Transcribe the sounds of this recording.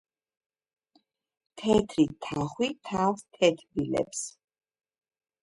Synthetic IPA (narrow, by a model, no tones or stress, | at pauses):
t̪ʰɛt̪ʰɾit̪ʰaχwit̪ʰavst̪ʰɛt̪ʰbilɛ̰ps